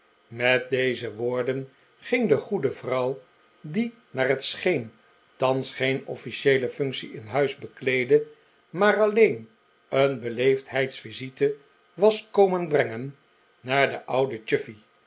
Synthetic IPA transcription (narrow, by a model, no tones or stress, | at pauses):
mɛt̚dejzəʋʊːɹdən | χɪŋdəχudəvrʌw | di | naːɹɦətsχen | tɑnsχejnɔ̰fiʃejləfʏŋksiɪnɦœɥzbəklejdə | maːrɑlejn | ənbəlejftɦɛjtsfizitə | ʋɑskowmənbrɛŋənː | aːɹdəʔʌwdət͡ʃʏfi